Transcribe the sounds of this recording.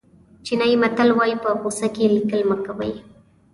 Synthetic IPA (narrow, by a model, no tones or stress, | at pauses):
t͡ʃɪnajmat̪alwajpapʊsakɪlɪkɪlmakapaj